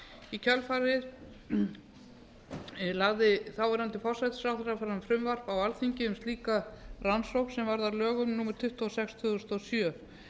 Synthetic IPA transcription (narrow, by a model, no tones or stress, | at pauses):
icʰœlfaɾɪð | laɣðɪθawvaɾant̪ɪfɔwr̥sajt̪sawθɾafaɾanfɾʏmvar̥pawalθiɲcɪʏmsiːkaransowksɛmvaɾðaɾlœːɣʏmnuːmɛɾ̥t̪ʰʏht̪ɔsɛkst̪ʰʏɣʏst̪ɔsjœ